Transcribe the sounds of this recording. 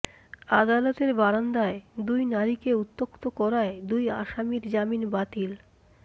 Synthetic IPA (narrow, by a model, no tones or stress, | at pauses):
ad̪alot̪eɾbaɾand̪aed̪ujnaɾikeut̪ːokt̪okɔɾaed̪uja̰ʃamiɾd͡ʑaminbat̪il